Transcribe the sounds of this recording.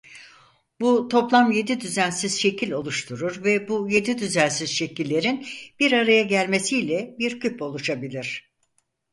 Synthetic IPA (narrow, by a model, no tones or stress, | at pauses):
but̪ʰo̞plˠamje̞d̪id̪yzænsiz̥ʃe̞cʰilʲo̞lˠuʃt̪ʰuɾuɾvɛbuje̞d̪id̪yzænsizʃe̞cilʲːe̞ɾinb̥iɾaɾajaɟælʲme̞sijlʲɛbiɾcʰypo̞lˠuʃabilʲiɾ̝̥